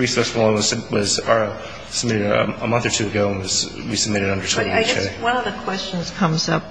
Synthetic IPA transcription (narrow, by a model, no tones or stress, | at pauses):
ɹisəswɔ̃wʌz̥ɨwʌz̥ə˞ | səb̚mɪɾɨɾ̰əmʌ̃nθə˞tʰʉɨɡoʊə̃nwʌz̥ | wisəb̚mɪɾɨɾʌ̃ndə˞tʰũɪɡɛɛ̰wʌ̃nʌvðɨkʰw̥ɛst͡ʃɨ̃n̩z̥kʰʌ̃mzʌp̚